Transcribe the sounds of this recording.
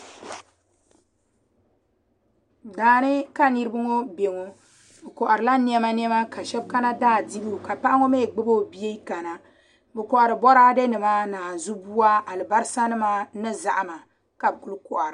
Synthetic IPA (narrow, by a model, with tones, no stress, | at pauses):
daː˨nɨ˦ka˦ni˦ɾɨ˦bɨ˦ŋo˦be˨ŋo˨ | bɨ˨kɔ˨ʔa˨ɾɨ˨la˦ni˦ɛ˦ma˦ni˦ɛ˦ma˦ka˨ʃɛ˦b̚ka˦na˦daː˦˨di˦bu˦˨ka˨pa˦ʔa˦ŋo˦me˦˨ɡ͡bɨ˦bo˦˨bi˦e˦ka˨na˨ | bɛ˨kɔ˨ʔa˨ɾɨ˨bɔ˦ɾaː˦de˦nɨ˨maː˦naː˨zu˦bu˦a˦a˨lɨ˨ba˦ɾɨ˦sa˦nɨ˦maː˦nɨ˦za̰˨ʔma˨ | ka˨bku˦lkɔ˨ʔa˨ɾɨ˨